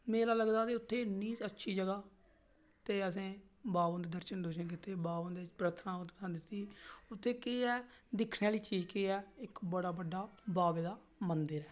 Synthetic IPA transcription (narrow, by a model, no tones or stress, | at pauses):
mẽːlaːləɡd̪aːt̪eːʊt̪ʰːeːʊnːĩːətːʃʰiːd͡ʒəɡaː | t̪eːəs̬ẽː | baːʋə̃nd̪eːd̪əɾʃənd̪oːʃənk̬ɪt̪eːbaːʋə̃nd̪epɾət̪ʰnãːãːnd̪ɪt̪ːiːʊt̪ʰːeːkeːɛːd̪ɪkʰneːaːliːt͡ʃiːd͡ʒkeːɛːɪkbəɽaːbəɖːaːbaːbeːd̪aː | mənd̪əɾɛː